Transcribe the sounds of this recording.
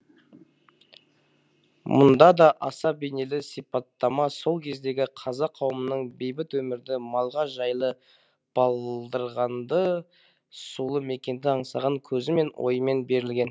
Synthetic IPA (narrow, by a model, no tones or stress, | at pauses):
mʊ̰nd̪ɑd̪ɑʔɑsɑbene̞lɪsijpɑt̪ːɑmɑso̞lˠkʲʰe̞zd̪e̞ɡʲɪqʰɑzɑqʰːɑwəmənəɴbe̞jbɪt̪wɵmɪɾd̪ɪmɑlˠʁɑʒɑjlˠə | b̥ɑlˠd̪əɾʁɑnd̪ə | sulˠəme̞kʲe̞nd̪ɪɑɴsɑʁɑŋkʲʰɵzɪme̞nwʔo̞̰jəme̞nbe̞ɾɪlɡʲe̞n